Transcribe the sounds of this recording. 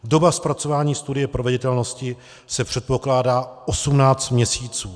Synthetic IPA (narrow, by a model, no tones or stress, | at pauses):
do̞baspɾat͡so̞vaːɲiːst̪udɪjɛpɾovɛɟɪt̪ɛlno̞scɪ | sɛpr̥ɛt̪̚po̞klaːdaːʔosumnaːt͡st̪mɲɛsiːt͡suː